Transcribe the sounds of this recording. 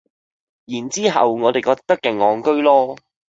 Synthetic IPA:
jiː˨˩nt͡siː˥ɦɐ̰˨wŋɔː˨˧e˨˩jkɔː˧k̚t̪ɐ˥kːɛ˨ŋːɔː˨˧ŋkɵ˥ɥlɔː˥

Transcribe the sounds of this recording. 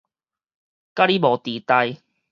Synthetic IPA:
ka˦˥li˦mɔ˨˩t̪iː˨˩t̪a˧j

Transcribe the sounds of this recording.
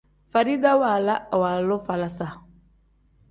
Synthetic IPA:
fa˨ɾi˦d̪a˦wa˨la˦˨wa˨lo˦fa˨la˨sa˨

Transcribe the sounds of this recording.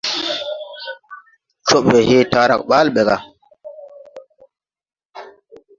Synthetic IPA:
t͡ʃo˦˨ɓwe˨he˦taː˦ɾa̰˨k̚ɓaː˦lɓe˨ɡa˨

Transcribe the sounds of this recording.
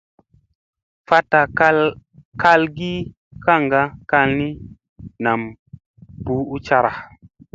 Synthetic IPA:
fa˦ta˨˦ka˦lɡi˦ | kʰa˦˨ŋɡa˦ka˦˧lni˦ | na˨m | bu˦u˦t͡ʃa˦ɾa˨

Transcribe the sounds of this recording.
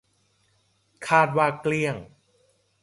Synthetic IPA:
kʰaː˥˩t̪̚waː˧˩kli˧˩əŋ

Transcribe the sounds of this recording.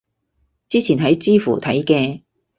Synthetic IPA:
t͡siː˥t͡sʰiː˨˩nɦɐ˨˥jt͡siː˥fṵ˨˩t̪ʰɐ˨˥jkɛː˧

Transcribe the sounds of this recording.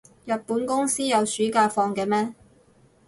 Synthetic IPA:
jɐ˨t̚puː˨˥nkʊ˥ŋsiː˥jɐ˨˧wsyː˨˥kaː˧fɔː˧ŋkɛː˧mɛː˥

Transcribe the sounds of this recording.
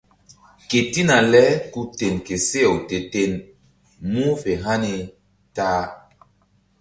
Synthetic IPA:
ke˨ti˦na˨lɛ˦ku˦te˨nke˨se˦ɛ˨wte˨te˨n | mu˦fe˨ɦa˦ne˧ | taː˦

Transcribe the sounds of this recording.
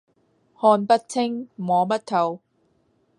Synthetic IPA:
hɔː˧npɐ˥t̚t͡sʰɪ˥ŋmɔː˨˧mɐ˥t̚t̪ʰɐ˨˧w

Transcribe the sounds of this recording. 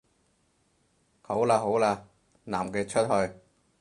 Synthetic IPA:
kʰo˨˥wlaː˧ɦo˨˥wlaː˧ | naː˨˩mkɛː˧t͡ʃʰɵ˥t̚hɵ˧j

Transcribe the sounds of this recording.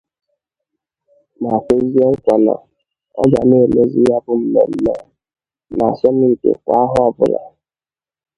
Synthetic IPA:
ma˨ke˦zi˦e˦ŋ̩˦kʷa˨na̰˨ | ɔ˦d͡ʒa˨ne˦˨le˦zi˦ja˦bʊ˦m̩˨me˨m̩˦me˦ | na˨sɔ˦mʊ˦ŋ̩˨kḛ˨kʷa˦a˦ɦʊ˦ɔ˨bʊ˦ɾa̰˨

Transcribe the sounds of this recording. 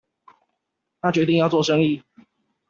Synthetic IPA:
nʰa˥t͡ɕɥɛ˧˥t̪̬i˥˧ŋjɑ˥˧ʊt͡swɔ˥˨˩ʂɤ˦ŋi˥˨

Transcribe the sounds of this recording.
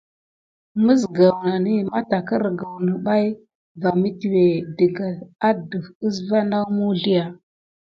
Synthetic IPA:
mə˦sɡa˨wna˨ni˦ma˦ta˨kə˦ɾɡa˨wnə˨ɓa˦j | va˨mi˦ti˨we˨də˨ɡa˨a˦də˨fə˦s̬va˦na˦mu˦ɮi˦ja˨

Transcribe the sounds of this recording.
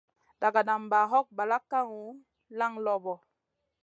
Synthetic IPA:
da˨ɡa˨na˨mba˨ɦɔ˦k̚ba˨la˦kːa˦ŋu˨˦ | la˦ŋlɔ˨bɔ˨

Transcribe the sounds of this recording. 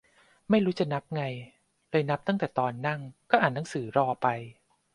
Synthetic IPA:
ma˥˩jɾuː˦˥t͡ɕa˨˩na˦˥p̚ŋa˧j | lɤː˧jna˦˥p̚t̪a˥˩ŋt̪ɛː˨˩t̪ɔː˧nːa˥˩ŋkɔː˥˩ʔaː˨˩nːa˦˥ŋsɯː˩˦ɾɔː˧pa˧j

